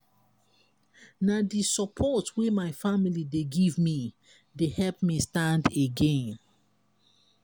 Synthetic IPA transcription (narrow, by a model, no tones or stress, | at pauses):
nadisɔpʰɔtwemaɪfamilideɡivmi | dehɛlpmistãndeɡẽn